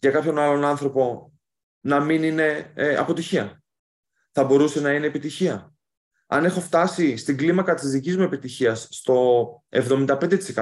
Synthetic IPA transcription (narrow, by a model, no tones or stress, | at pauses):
ʝɐkɐpço̞nɐlo̞nɐnθɾo̞po̞ | nɐminine̞ɐ̰po̞t̪içiɐ | θɐbo̞ɾuse̞nɐine̞ːpit̪içiɐ | ɐne̞xo̞ft̪ɐsist̪iɡlimɐkɐt̪izðicizmue̞pit̪içiɐsːt̪o̞e̞vðo̞mind̪ɐpe̞nd̪et̪isekɐ